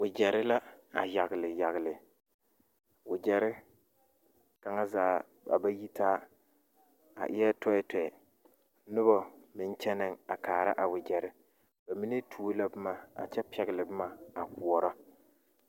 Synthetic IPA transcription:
wʊ˨d͡ʒɛ˨ɾɪ˦la˦a̰˨ja˨ɣɪ˨lɪ˨ja˨ɣɪ˨lɪ˨ | wʊ˨d͡ʒɛ˨ɾɪ˦ | ka˨ŋa˦zaː˦ | a̰˨ba˦ji˦taː˦ | a̰˨ʔɪ˦jɛ˦tɔ˦ɪ˦tɛ˨ɛ˨ | nʊ˦bɔ˨mɪ˦n˦t͡ʃɛ˦nɪ˦˨ŋa˨kaː˨ɾa̰˦ʔa˨wʊ˨d͡ʒɛ˨ɾɪ˦ | b̥a˨mi˦ne˦tʰu˦o˦la˦bɨ˦maː˨a̰˨t͡ʃɛ˦pɛ˨ɣɪ˨lɪ˨bɨ˦ma˨a˨ku˨ɔ˨ɾɔ˦

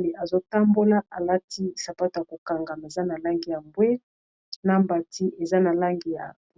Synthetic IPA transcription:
li˨ʔa˨zo˦ta˦mbo˦la˦a˨la˦ti˦sa˨pa˦to˨ja˨ko˨ka˨ŋɡa˨ma˨e˨za˦na˨la˦ŋɡi˨ja˨mbwe˦ | na˦mba˨tʰi˦ʔe˨za˦na˨la˦ŋɡi˨ja̰˨

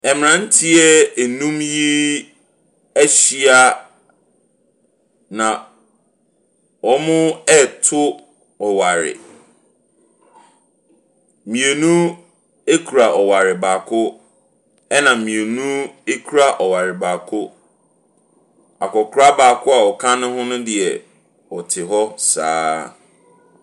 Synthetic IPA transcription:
ɛ˨m˨nã˨n̩˦tʰɪ˦ɛ˦e˨nũ˦mji˦ | æ˦ɕi˦a˦ | nã˨ | wɔ˦mʊ̃˦ɛ˦˨tʰʊ˦ | ɔ˨wa˨ɾɪ̰˨ | mĩ˨e˨nũ˦ | e˦kʰu˨ɾa˨ʔɔ˨wa˨ɾɪ˨baː˨kʰʊ˦ | ɛ˦nã˨mĩ˨e˨nũ˦e˦kʰu˦ɾa˦ʔɔ˨wa˨ɾɪ˨ba˨kʰʊ˦ | a˨kɔ˨kʰɾa˦baː˨kʰʊ˦a˨ɔ˨kʰã˦nʊ̃˦ɦʊ̃˦nʊ̃˦dɪ˨ɛ˨ | ɔ˨tʰɪ˨ɦɔ˦sa̰ː˨˦

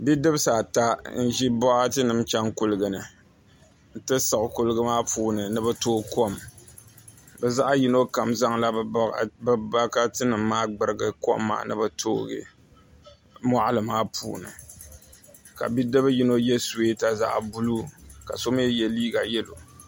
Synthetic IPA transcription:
bi˦dɨ˦bsa˨ta˦n̩˦ʒi˦bɔ˦ʔa˦tɨ˦nɨ˨mt͡ʃɛ˦ŋkʊ˦lɨ˨ɡɨ˨nɨ˨ | n̩˨tɨ˦sɨ˨ʔʊ˨ku˦lɨ˦ɡɨ˦maː˦puː˦nɨ˨nɨ˦bɨ˦toː˦ko˦˨m | bɛ˨za˦ʔa˦ji˦no˦ka˨mza˦ŋla˦bba˦ka˦tɨ˦nɨ˨mːaː˦ɡ͡bɨ˨ɾɨ˨ɡɨ˨ko̰˦mːa̰ː˨nɨ̰˦bɨ˦tʰoː˦ɡɪ̰˦˨ | ma˦ʔa˦lɨ˨maː˦pʰṵː˨nɨ̰˨ | ka̰˨bi˦dɨ˦bji˦no˦jɛ˦se˦ta˦za̰˦ʔbu˦lu˦ka̰˨so˦m˦ɛ˦jɛ˨liː˦ɡa˨jɛ˦lo̰˨

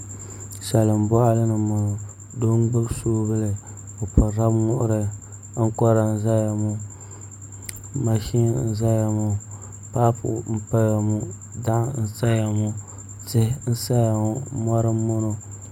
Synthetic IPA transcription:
ʃɛ˨lɨ˨m̩˨bɔ˦ʔa˦lɨ˦nɨ˨ma˨ | do˦ŋ˦ɡ͡bɨ˦bsoː˦bɨ˦lɨ˨ | o˨pʊ˨ɾa˦bŋʊ˦ʔʊ̰˦ɾɨ˦ | ŋ̩˦kɔ˦ɾa˨n̩˦za˦ja˨mu˦ | ma˨ʃi˦˨n̩˦za˦ja˨mu˨ | pa˦pʊ̰˨m̩˦pa˦ja˨mu˦ | da˦ʔn̩˦sa˦ja˨mu˦ | tɪ˦n̩˦sa˦ja˨mu˨mɔ˦ɾɨ˦mo˦no˦

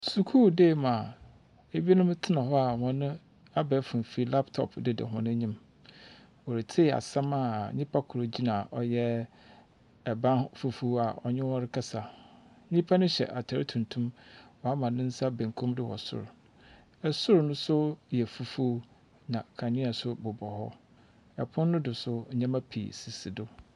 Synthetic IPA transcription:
su˨kʰu˦deː˦˨mã˨ | e˨bi˦e˦nʊ̃˦m˦tʰɪ˦nã˨ɦɔ˦a˨ŋɔ̃˨nʊ̃˦ | a˦bɛ˦fʊ̃˨m˨fi˦la˦ptʰɔ̰˨pʰdɪ˨dɪ̰˨ɦʊ̰̃˨nʊ̃˦ɲĩ˦m | wɔ˨ɾɪ˨tʰi˦˨a̰˨sã˦ma˦˨ɲɪ̃˦pʰa˦kʰʊ˨ɾo˨d͡ʑi˦nã˨ʔɔ˨jɛ˦ | ɛ˨bã˦fu˦˨fu˦a˨ʔɔ̰˨ɲɪ̃˦wɔ˦ɾɪ˦kʰa˦sa˨ | ɲĩ˦pʰa˦nʊ̃˦ɕɛ̰˨ʔa˨tʰa˨ɾɪ˦tʰũ˨ntʰũ˦mwɔ˨a˦mã˨nɪ̃˦n̩˦sa˦bẽ˨ŋ˨kʰũ˦mdɪ˦wɔ̰˨sʊ̰˦˨ɾ | ɛ˨sʊ˦ɾnʊ̃˦sʊ˦jɛ˨fu˦fu˦ | nã˨kʰã˨ɲɪ̃˦a˨sʊ˦bʊ˨bɔ˨ɦɔ̰˦ | ɛ˨pʰʊ̃˦nː˦ʊ̃˦dʊ˨sʊ˦ɲã˦ma˦pʰḭ˨si˨si˨dʊ˦

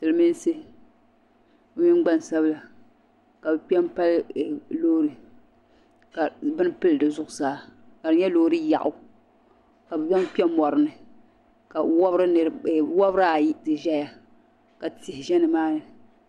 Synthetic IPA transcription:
tɨ˨lɨ˨mi˦n˦se˦ | o˦mi˦ɡ͡ba˦n˨sa˦bla˨ | ka˨bɨ˨pi˦ɛ˦m˦pa˦lloː˦ɾɨ˨ | ka˨bɨ˦n˦pɨ˦ldɨ˨zʊ˦˨ʔʊ˨zaː˦ | ka˨dɨ˨ɲɛ˦loː˦ɾɨ˦ja̰˨ʔʊ˦ | ka˨bɨ˨bɛ˦m˦pi˦ɛ˦mɔ˨ɾɨ˨nɨ˨ | ka˨wɔ˦bɾɨ˦ɨ˨wɔ˦bɾa˦˨˦tɨ˨ʒɛ˦ja˨ | ka˨ti˨hɪ˨ʒɛ˦nɨ˨maː˦nɨ˨

